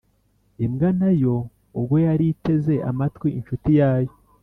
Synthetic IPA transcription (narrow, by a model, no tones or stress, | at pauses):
imɡanajo̞ | ubɡo̞jaɾite̞ze̞ʔa̰matwiinʃutijaːjo̞